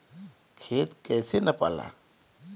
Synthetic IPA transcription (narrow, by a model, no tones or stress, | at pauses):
kʰeːt̪kɛːsenɐpa̰ːla̰ː